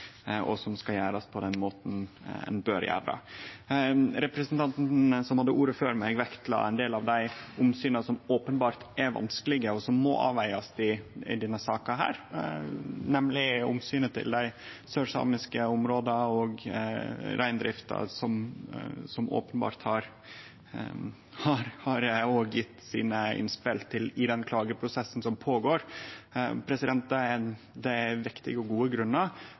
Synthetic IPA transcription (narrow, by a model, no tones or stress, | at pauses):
ɔ̰sɔmskɑjæːɾɑspʰɔd̪ɛnmoːt̪n̩ | ɛ̰nbøːɾjæ̰ːɾɾɑ̰ | ɾɛpɾɛsənt̪ʰɑnt̪n̩n̩əsɔmhɑd̪ːəʔuːɾəføːɾmæɡʋɛkt̪lɑ̰æ̰ɪnd̪eːlɑʋd̪æɪʊmsyːnəsɔmoːpənbɑːɾt̪ɛɾʋɑ̰nskəlɪɡəɔsɔmːɔ̰ʔɑ̰ːʋæɪɑsd̪ɪɪd̪inəsɑːkɑɦæ̰ːɾ | nɛmlɪʊ̰msyːnət̪ʰɪ̰ld̪æɪsœʂɑ̰ːmɪskəʊmɾoːd̪ɑɔɡ | ɾæɪnd̪ɾɪft̪ɑ̰sɔm | sɔmʔo̰ːpənbɑ̰ːɾt̪hɑɾ | hɑɾhɑɾoːɡjɪt̪ːsḭːnəɪ̰nspɪlt̪ʰːɪlɪd̪ɛnkʰlɑːɡəpʰɾʊsɛsːn̩sɔmpʰoːɡoːɾ | pʰɾɛsɪd̪ɛnt̪̚d̪ɛæ | d̪ɛæʋɪkt̪ɪ̰ɡəɔɡuːəɡɾʉnːə